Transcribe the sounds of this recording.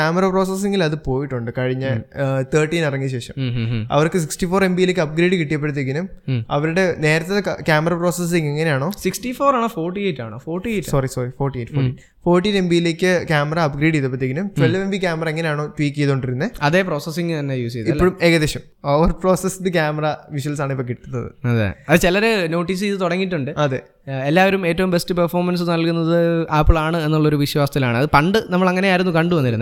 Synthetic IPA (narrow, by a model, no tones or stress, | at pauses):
kaːmɐɾɐpro̞ːses̬eŋɡilɐðɨpo̞ːjiʈːuɳɖɨkɐɻiɲːɨt̪ɐːrʈːiːnɐrɐŋːiɕe̞ːʂɐmɐ̰ʋɐrkɨsiksʈifo̞ːɾe̞mbijileːkːɨɐb̚ɡɾeːɖɨkiʈːijɐp̬ːe̞ɽut̪ːekːiɐnumɐʋɐɾuɽe̞ne̞ːɾɐt̪ːɐðkaːmɐrɐpro̞ːses̬iŋeŋːɐne̞jaːɳo̞ːsiksʈifoːɾaːɳoːfoːrʈːieːtːa̰ːɳoːfoːrʈːiesɐrisoːrifoːrʈːieʈːfoːi | fo̞ːrʈːiːne̞mbijile̞ːkːɨkʲaːmɐrɐɐbɡɾiːɖijðɨp̬ːɐt̪ːekːinumtwelʋembik̬ʲaːmɐrɐeŋːɐnejaːɳo̞ːʈwiːkːejðoɳɖiɾunːeɐðe̞ːpro̞ːsesiŋːɨt̪ɐnːejuːsejðiɐpoːumeːɣɐðeɕɐm | oːʋɐrpro̞ːsesd̪ɨkʲaːmɐrɐʋiɕuɐlsaːɳɨipːokiʈ̪ːunːɐðɨ̰ɐðḛɐðɨt͡ɕelɐɾeno̞ːʈːiːs̬iiðɨt̪uɽɐŋːitːuɳɖɨɐðḛː | elːaːʋɐɾume̞ːtːɐʋumbe̞stːɨpɐrfoːrmɐns̬ɨnɐɭkunːɐðɨaːpːɭaːɳɨe̞nːuɭːɐo̞ɾuʋiɕwaːsɐt̪ilaːɳɨɐðɨpɐɳɖɨnɐmːɐɭɐŋːɐne̞aːiɾunːukɐɳɖɨʋɐnːiɾunːɨ